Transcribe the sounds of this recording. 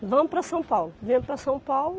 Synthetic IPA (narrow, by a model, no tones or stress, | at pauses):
vɐ̃mpɾɐsɐ̃w̃pawlˠuvẽmpɾɐsɐ̃w̃pawlˠu